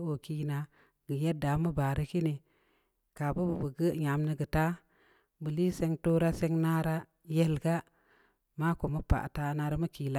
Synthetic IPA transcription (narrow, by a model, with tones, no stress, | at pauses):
o˨ki˦na˨ | ɡ̥ə˨je˦da˨˦mu˦ba˨ɾi˦ki˦ni˨ | ka˨bu˦bə˨bə˨ɡə˦ɲa˨mnə˦ɡə˨ta˦ | bɨ˨li˦se˦ŋto˦ɾa˦se˦ŋna˦ɾa˦ | je˦lɡa˦ | ma˦ko˨mu˦pa̰˨ʔta˦na˨ɾa˦mu˦ki˨la˦